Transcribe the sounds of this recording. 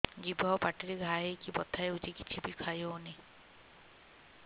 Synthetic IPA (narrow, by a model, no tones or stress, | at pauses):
d͡ʒibʱɔɔpaʈiɾeɡʱaɦejkibɔt̪ʰaeud͡ʒiki̥t͡ʃʰibikʰajoni